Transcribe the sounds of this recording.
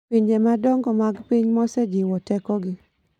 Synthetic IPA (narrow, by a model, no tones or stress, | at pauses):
piɲd͡ʒemadɔŋɡɔmaɡpiɲmɔsɛd͡ʒiwɔtɛkɔɡɪ